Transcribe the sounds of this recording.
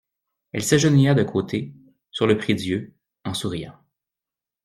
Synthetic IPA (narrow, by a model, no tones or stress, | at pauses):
ɛ̰lsaʒənujad̪əkʰoːt̪ʰe | syʁləpχid̪jø | ɑ̃suʁijɑ̰̃